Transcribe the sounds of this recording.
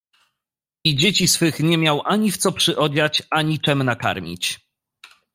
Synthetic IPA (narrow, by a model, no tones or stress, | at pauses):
id͡ʑet͡ɕisfɘxɲɛmʲjawʔaɲift̪sɔpʂɘʔɔd͡ʑat͡ɕaɲit͡ʂɛmnaka̰ɾmʲḭt͡ɕ